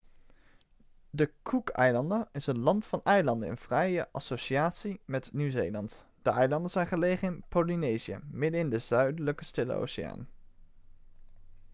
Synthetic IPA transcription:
dəkʰukɛjlɑndəɪsənlɑntfɑnɛjlɑndəɪ̰nv̥rɛjəʔɑsoʃiaːtsimɛtnywzejlɑnt | d̥əʔɛjlɑndənz̥ɛjnχəlejχənɪnpolinejziə̰mɪdənɪndəz̥œɥdələkəstɪlə̰o̰wsɪja̰ːn

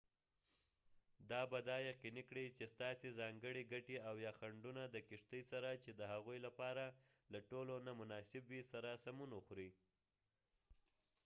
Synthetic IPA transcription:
d̪ɑbad̪ɑjaqinikɽit͡ʃest̪ɑsezɑŋɡəɽiɡaʈeawjɑxaɳɖunad̪əkɪʂt̪əjsaɾat͡ʃed̪əhaɣujlapɑɾa | laʈolonamʊnɑsɪbwisaɾasamunuxɾi

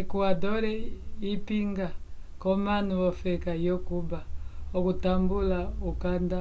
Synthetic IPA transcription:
ikuadɔɾɛipiŋɡakɔmanuɔfɛkajɔkubaɔkutambulaukanda

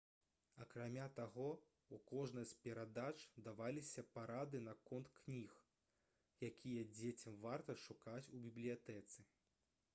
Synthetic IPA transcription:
ɐkɾamʲat̪aɣɔ | ukɔʐnɐsʲpʲɛɾad̪at͡ʂd̪avalʲisʲɐpaɾad̪ɨnɐkɔnt̪knʲix | jakʲʰijɐd͡zʲet͡sʲɐmvart̪ɐʂukat͡sʲubʲiblʲijat̪ɛt̪sɨ

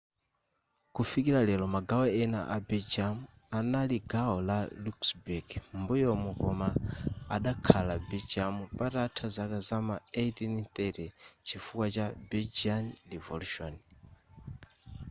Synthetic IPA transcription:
kufikiɾalɛlɔmaɡawɛɛna̰ʔabɛd͡ʒamu | analiɡaɔlaluksbuɡmbujɔmukɔmaaɗakʰalabɛd͡ʒamupatatʰazakazamaetinit̪ɛtɛt͡ʃʰifukwat͡ʃabɛld͡ʒanlivɔluʃɔ̰n

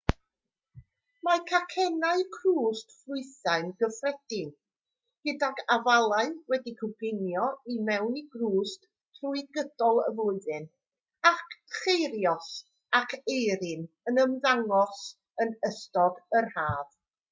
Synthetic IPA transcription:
makʰakʰɛnaɨkʰruːstflʊɨθaɨnɡəfrɛd̥ɪn | ɡ̥ədaɡavalˠaɨwɛdikʰəɡɪnjɔimɛwniɡruːstʰ | ruɨɡəd̥ɔlˠəvlʊɨðɨn | akʰχejɾjɔs | akʰejɾɨn | ənəmðaŋɔs | ənəstɔɡərhaːð

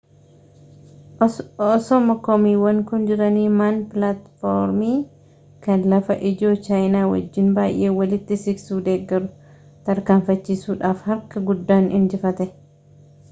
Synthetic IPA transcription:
ɔsɔmɐkɔmiːwɐŋkʊnd͡ʒɪɾɐniːmanplat̪foɾmiː | kɐnlɐfɐʔɪd͡ʒo̞ːt͡ʃaːjnaːwɐ̰d͡ʒːɪnbaːjʔe̞ːwɐlɪt̪ːɪsɪɡsuːd̪e̞ːɡːɛɾʊ | t̪ɐɾkaːɱfɐt͡ʃːiːsuːᶑaːfhɐɾkɐɡʊd̪ːaːnɪnd͡ʒɪfɐt̪ɛ

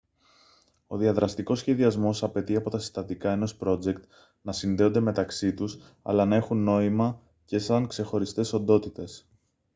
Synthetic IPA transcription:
o̞ðiɐðɾɐst̪iko̞sçe̞ðiɐzmo̞sɐpe̞t̪iɐpo̞t̪ɐsi̥st̪ɐtd̪ikɐe̞nospɾo̞d͡ze̞kt̪ | nɐsinðe̞o̞nd̪e̞me̞t̪ɐksit̪us | ɐ̰lɐnɐe̞xunːo̞imɐ | ce̞sɐŋkse̞xo̞ɾist̪e̞so̞nd̪o̞t̪it̪e̞s

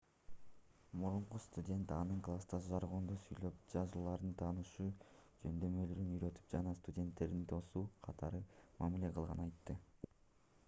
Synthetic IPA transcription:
muɾuɴqust̪udʲe̞nt̪ɑnɯŋklˠast̪ɑsʒɑɾʁond̪usyjlø̞p̚d͡ʒɑzɯlˠlˠɑɾd̪ɯnt̪ʰɑːnɯʃuːd͡ʒø̞nd̪ø̞mø̞lyɾynyɾø̞t̪y̥p̚d͡ʒɑnɑst̪udʲe̞nt̪ːe̞ɾd̪int̪ʰo̞suːqʰɑt̪ʰɑɾɯmɑmile̞qʰɯlˠʁɑ̰nɑjt̪ːɯ

